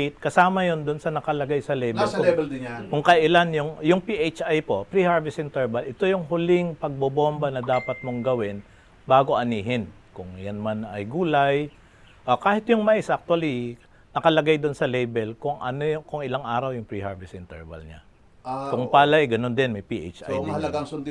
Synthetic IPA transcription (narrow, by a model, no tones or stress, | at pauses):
t̪̚kɐsaːmɐjond̪ʊnsɐnɐkɐlɐɡajsɐlɛjbɛlkʊɛbɛld̪ɪakʊŋkɐʔɪlanjʊŋjʊŋpiʔejt͡ʃʔajpo̞pɾihaɹvɛsɪnt̪ɛɹbɐlʔɪt̪o̞jʊŋɦʊlɪŋpɐɡ̚bobombɐnɐd̪aːpɐt̪̚moŋɡɐwɪn | baːɡo̞ʔɐniːɦɪnkʊŋjanmanɐjɡuːlaj | ʔokaːhɪt̪jʊŋmɐʔɪsʔɐk̚t̪wɐli | nɐkɐlɐɡajd̪ʊnsɐlɛjbɛlkʊŋʔɐnokʊŋɪlaŋʔaːɾɐwjʊŋpɾiha̰ɹvɛsɪnt̪ɛ̰ɹbɐ̰lɲa̰ | kʊŋpaːlɐɪɡɐno̞nd̪ɪnmɐjpiʔḛt͡ʃʔa̰jd̪ɪɐɐɡaŋsʊnd̪ɪ